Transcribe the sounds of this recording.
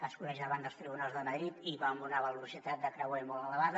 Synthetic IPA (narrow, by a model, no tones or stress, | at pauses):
əskuɾəʒaβənd̪əlˠst̪ɾiβunalˠzðəməðɾit̪iβamunəβəlusit̪at̪̚d̪əkɾəwɛmɔlˠələβaðə